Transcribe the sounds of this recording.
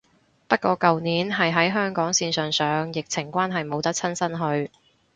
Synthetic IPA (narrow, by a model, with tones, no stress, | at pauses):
pɐ˥t̚kʷɔː˧kɐ˨wniː˨˥nɦɐ˨jɦɐ˨˥jɦœː˥ŋkɔː˨˥ŋsiː˧nsœː˨ŋsœː˨˧ŋjɪ˨k̚t͡sʰɪ˨˩ŋkʷaː˥nɦɐ˨jmo˨˧wt̪ɐ˥k̚t͡sʰɐ˥nsɐ˥nɦɵ˧ɥ